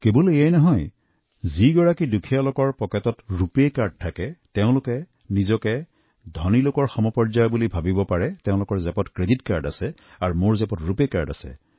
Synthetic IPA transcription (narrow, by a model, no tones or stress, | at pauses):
keboliajnɔɦɔj | ziɡɔɹakidukʰijalʊkɔɹpɔkɛtɔtɹupekaɹd̚tʰːakɛteʊ̃lʊkɛ | nizɔkɛ | dʱɔnilokɔɹxɔmɔpɔɹzajbulibʱabibɔpaɹɛteʊ̃lʊkɔɹzɛpɔtkɹeditkaɹda̰sɛ | aɹumoɹzɛpɔtɹupeka̰ɹda̰sɛ̰